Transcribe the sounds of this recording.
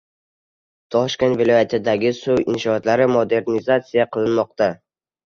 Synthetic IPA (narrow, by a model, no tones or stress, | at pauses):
t̪ʰɒʃkʲe̞nt̪vɪlˠɒjat̪ʰɪd̪aɡʲɪsʊwɪ̰nʃɒːt̪laɾɪmod̪e̞ɾnizat̪sijaqʰɨlˠɪnmɒq̚t̪a